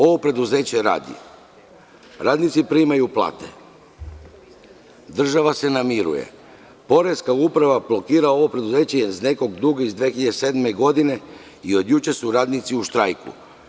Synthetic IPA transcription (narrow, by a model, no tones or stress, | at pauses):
o̞ʋo̞pɾe̞d̪uze̞ːt͡ɕe̞ɾa̰ːd̪ḭ | ɾaːd̪nit̪sipɾimajuplˠa̰ːt̪e̞̰ | d̪r̩ʒaʋase̞namiɾṵjḛ | po̞ɾe̞skaupɾaʋablˠo̞kiːɾao̞ʋo̞pɾe̞d̪uze̞ːt͡ɕezne̞ko̞ɡd̪uɡeizd̪ʋexiʎad̪ese̞d̪me̞ɡo̞d̪ine̞ | io̞d̪jut͡ɕesuɾaːd̪nit̪siuʃt̪ɾajkṵ